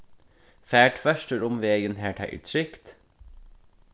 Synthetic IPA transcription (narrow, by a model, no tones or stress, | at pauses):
fæːʈʋœʃʈəɾʊmʋeːɡənheːʈhæ̰ʔḭːt̪ʰɾʏkt̪